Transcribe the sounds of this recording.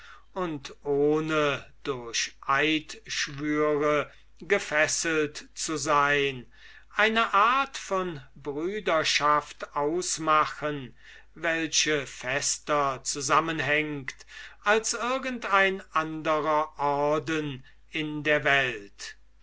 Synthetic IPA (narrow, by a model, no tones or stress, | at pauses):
ʊntʔoːnəd̥ʊɐɕʔaɪtʃvyːʁə | ɡəfɛsəltt͡suzaɪn | ʔaɪnəʔaɐtfɔnbʁyːdɐʃaftaʊsmaxən | vɛlʃəfɛstɐt͡suzamənɦɛŋktʔalsɪɐɡəntaɪnʔandəʁɐʔɔɐdən | ɪndeːɐvɛlt